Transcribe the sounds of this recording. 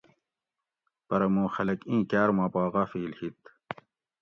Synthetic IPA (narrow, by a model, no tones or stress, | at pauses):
pɐɾɐmõːxɐlɐkĩːkæːɾmɑːpɑːɣɑfiːlhit̪